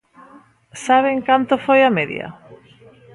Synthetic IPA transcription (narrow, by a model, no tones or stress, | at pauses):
saβ̞eŋkant̪ofojameðj̰ɐ̰